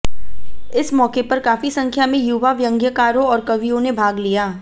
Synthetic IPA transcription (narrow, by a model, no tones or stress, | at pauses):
ɪsmɔːkepɐɾkaːfisɐ̃ŋkʰjamẽjuːʋaʋjɐ̃ŋɡjəkaːɾõɔːɾkɐʋijõnebʱaːɡlijaː